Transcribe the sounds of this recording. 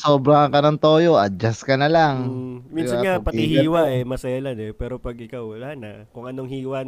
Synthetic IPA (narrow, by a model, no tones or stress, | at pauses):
soːbɾɐɐkɐnɐŋt̪oːjo̞ʔɐd͡ʒaskɐnɐlaŋminsɐaŋapɐihiːwɐʔɛmɐsɐjalanɛpɛːɾo̞pɐɡ̚ʔɪkawɐlanɐ | kʊŋʔɐnoŋhiːwɐ